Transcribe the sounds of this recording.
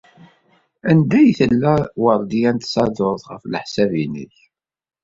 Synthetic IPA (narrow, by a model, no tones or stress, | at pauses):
ænd̪æjθəlːæwəɾˤd̪ijænt̪sɑd̪ʊɾˤθʁəflħsævinḭç